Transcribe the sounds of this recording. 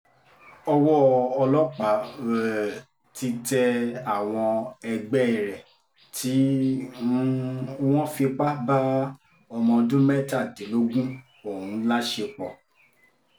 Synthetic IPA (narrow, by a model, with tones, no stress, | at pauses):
ɔ˧wɔ˦ɔ˧lɔ˦k͡pa˨˦wɛ˨ | ti˧tɛ˧a˦˨w̃ɔ̃˧ɛ˧ɡ͡bɛ˦˨ɾɛ˨ | tʰi˨˦˧ | w̃ɔ̃˦fi˧k͡pa˦ba˦ | ɔ˧mɔ̃˧dũ˦mɛ˦ta˦˨de˨˦lo˦ɡũ˦ | o˦˨ũ˨˦la˦ʃe˧k͡pɔ˨